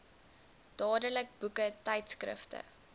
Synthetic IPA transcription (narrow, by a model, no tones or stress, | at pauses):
d̥ɑːdələk̚b̥ukətɐjtskrə̰ftə̰